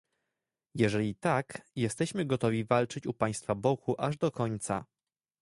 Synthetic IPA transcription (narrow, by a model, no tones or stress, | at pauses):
jɛʐɛlʲit̪akjɛst̪ɛɕmɘɡɔt̪ɔvʲivalt͡ʂɘt͡ɕupaj̃st̪fabɔkʰuʔaʐd̪ɔkɔɲt̪sa̰